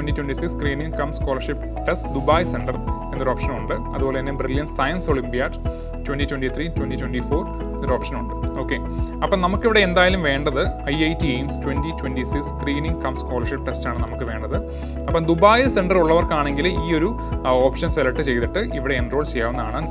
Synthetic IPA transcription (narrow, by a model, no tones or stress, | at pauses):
twenitwenʈisikskriːniŋkɐmsko̞ːlɐrʂipː | ʈestd̪ubaːjseɳɖɐrenːɐɾo̞ːpʂɐnuɳɖɨɐ̰ðubo̞ːleinːebriljɐnsɐjɐnsoɭimbijaː | twentitwenɖit̪ritwentitwenɖifoːr | enːɐɾo̞ːpʂɐnuɳɖɨo̞ːkːe | ɐpːɐnɐmukːiʋiɽe̞end̪aːjalumʋe̞ːɳɖɐðɨɐjɐjtiemstwenditwendisikskriːniŋɡkɐmsko̞ːlɐrʂip̚ːʈestaːɳɨnɐmukːɨʋe̞ːɳɖɐðɨ | ɐpːɐːd̪ubaːjɨseɳɖɐruɭːɐʋɐrkaːɳe̞ŋɡiliːoɾu | oːpʂɐnselɐʈːɨt͡ɕe̞jt̪iʈːɨʔiʋiɽe̞ːndro̞ːɭt͡ɕejaːʋɐnːðaːɳɨ